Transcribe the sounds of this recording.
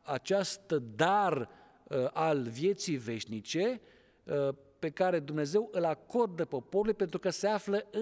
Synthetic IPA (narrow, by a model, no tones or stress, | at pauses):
at͡ʃast̪d̪ar | ʔalvje̞t̪sijve̞ʃnit͡ʃe̞ | pe̞kaɾe̞d̪umne̞ze̞wʔɨlako̞rd̪əpo̞po̞ɾulujpent̪ɾukəse̞afləɨ